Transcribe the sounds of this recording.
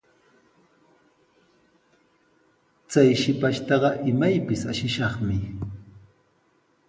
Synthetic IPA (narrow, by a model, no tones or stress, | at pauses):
t͡sajʃɪpaʃt̪ɑɢɑʔɪmajpɪsaʃɪʃɑχmɪ